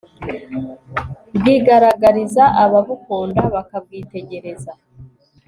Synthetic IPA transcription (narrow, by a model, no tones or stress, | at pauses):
bɡiːɡaɾaɡaɾizaʔaβaβukoːndaβakab̚ɡiːte̞ɟe̞ɾe̞za